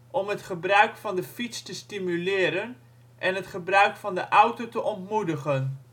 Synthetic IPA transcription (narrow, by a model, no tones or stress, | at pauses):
ʔɔmɦətχəbrœɥkfɑndəfitstəstimylɪːɾən | ʔɛnɦətχəbrœɥkfɑndəʔawtotəʔɔntmudəχən